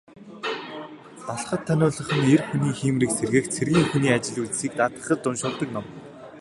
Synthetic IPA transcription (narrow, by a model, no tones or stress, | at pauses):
ɔɮχə̆t̪ʰːænʲʊːɮə̆χə̆nerxuniːxiːmriːksʰerɣɘ̆xt͡sʰerɣʲiːŋxuniːat͡ɕɪ̆ɮuɮsiːk̚t̪at̪ə̆χə̆t͡ɕt̪ʊnʃʊːrt̪ə̆knɔm